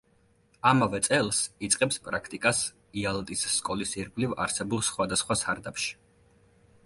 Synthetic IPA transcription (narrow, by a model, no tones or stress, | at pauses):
amavɛt̪sʼɛlˠsit̪sʼqʼɛpspʼɾakʰt̪ʼikʼas | ialˠt̪ʼisːkʼɔlisiɾɡʼliva̰ɾsɛbulˠsχwad̪asχwasaɾd̪apʃi̥